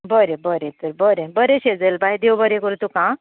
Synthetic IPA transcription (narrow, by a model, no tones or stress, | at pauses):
bəɾẽbəɾet̪əɾbəɾebəɾeɕed͡zəlbaɦjd̪ewbəɾẽkəɾut̪ukã